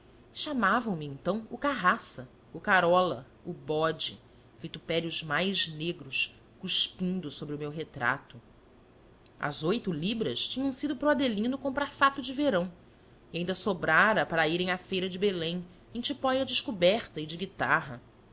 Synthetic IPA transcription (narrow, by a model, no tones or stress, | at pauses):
ʃamavɐ̃w̃miẽnt̪ɐ̃w̃ʊkaɦasɐ | ʊkaɾɔlɐ̰ | ʊbɔd͡ʒɪ̰ | vit̪upɛɾiʊzmajʒneɡɾʊʃ | kuʃpĩnd̪ʊsobɾɪʊmewɦet̪ɾa̰t̪ʊ | ɐ̰zojt̪ʊlibɾɐʃt͡ʃĩɲɐ̃w̃sid̪ʊpɾɔad̪elĩnʊkõpɾaɾfat̪ʊd͡ʒɪveɾɐ̃w̃ | iaĩnd̪ɐsobɾaɾɐpaɾɐiɾẽj̃afejɾɐd͡ʒɪbelẽj̃ | ẽj̃t͡ʃipɔjɐd͡ʒɪʃkubɛχt̪ɐɪd͡ʒɪɡit̪a̰ɦɐ